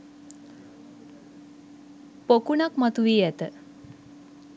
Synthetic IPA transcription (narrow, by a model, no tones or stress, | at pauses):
pokunakmət̪uʋiːjɛt̪